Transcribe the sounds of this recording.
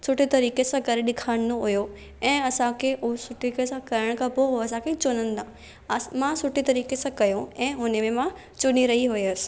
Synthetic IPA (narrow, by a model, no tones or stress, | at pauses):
sʊʈit̪ɐɾiːkesãkɐɾeɗɪkʰaːɽnoɦʊjo | ɛ̃ːɐsãkʰeʊsʊʈikesãkɐɾəɽ̃kʰãpoɦoɐsãkʰet͡ʃʊnənɪ̆d̪ã | mãsʊʈit̪ɐɾiːkesãkɐjõɛ̃ːɦʊnemẽmã | t͡ɕʊniɾɐɦiɦʊeɐsɪ̥̆